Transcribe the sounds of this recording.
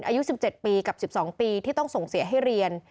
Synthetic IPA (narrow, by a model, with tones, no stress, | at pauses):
nʔaː˧ju˦˥si˨˩p̚t͡ɕe˨˩t̪̚piː˧ka˨˩p̚si˨˩p̚sɔː˩˦ŋpiː˧t̪ʰiː˥˩t̪ɔ˥˩ŋso˨˩ŋsi˨˩˦ɐɦa˥˩jɾi˧ən